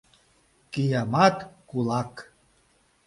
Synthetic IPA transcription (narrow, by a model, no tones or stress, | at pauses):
kijamɑt̪kulɑk